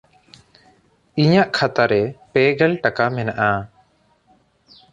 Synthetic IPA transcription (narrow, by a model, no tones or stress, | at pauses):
iɲaʔkʰat̪aɾɛpɛɡɛlʈakamɛnaʔa